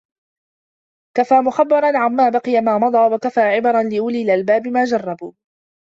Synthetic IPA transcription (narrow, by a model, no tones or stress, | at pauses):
kafaːmʊxabːɑɾˤɑnʕamːaːbaqɨjamaːmɑd̪ˤɑːwakafaːʕɪbɑɾˤɑnlɪʔʊliːlalbaːbɪmaːd͡ʒɑrˤːɑbuː